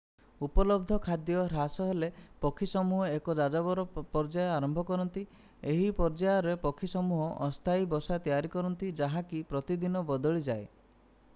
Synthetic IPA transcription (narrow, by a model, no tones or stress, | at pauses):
upɔlɔb̚d̪ʱɔkʰad̪jɔɾasɔɦelepɔkʰisɔmuɦɔekɔd͡ʒad͡ʒabɔɾɔpɔɾd͡ʒajaɾɔmbʱɔkɔɾɔnt̪i | eɦipɔɾd͡ʒajaɾepɔkʰːisɔmuɦɔʔɔst̪ʰaibɔsat̪ijaɾikɔɾɔnt̪id͡ʒaɦãkipɾɔt̪id̪inɔbɔd̪ɔɭid͡ʒae